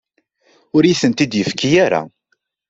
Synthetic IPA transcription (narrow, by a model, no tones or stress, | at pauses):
ʊɾjiθənt̪id̪jəfkijaɾa̰